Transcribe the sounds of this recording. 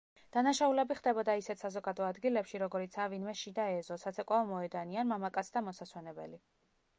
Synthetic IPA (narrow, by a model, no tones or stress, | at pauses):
d̪̥anaʃaulɛbiχd̪ɛbɔd̪aisɛt̪ʰsazɔɡad̪ɔad̪ɡilɛpʃiɾɔɡɔɾit̪sʰavinmɛʃid̪aɛzɔsat̪sʰɛkʼwavɔmɔɛd̪anianmamakʼat̪sʰd̪amɔsaswɛnɛbɛ̰li